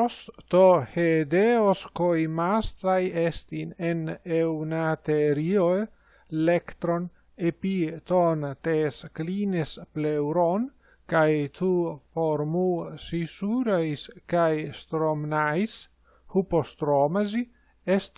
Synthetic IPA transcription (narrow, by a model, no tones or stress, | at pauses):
ost̪ohed̪eoskojmast̪ɾajest̪inenewnat̪eɾio | lekt̪ɾon | epit̪ont̪esklinesplewɾon | kajt̪ʰufoɾmusisuɾajskajst̪ɾomnajs | hupost̪ɾomazi | est̪